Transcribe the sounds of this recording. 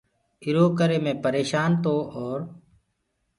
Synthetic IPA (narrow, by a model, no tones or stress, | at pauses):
ɪɾoːkəɾeːmẽːpəɾeːʃaːnt̪oːʔoːɾ